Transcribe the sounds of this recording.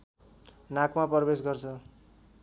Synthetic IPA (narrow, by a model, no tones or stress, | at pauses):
nakmaprbesɡʌrt͡sʰʌ